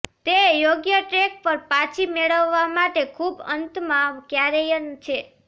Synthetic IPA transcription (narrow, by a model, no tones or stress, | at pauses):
t̪ejoɡjəʈɾek̚pəɾpat͡ʃʰimeɭəʋːamaʈekʰubə̰nt̪maʋkjaɾejənt͡ʃʰe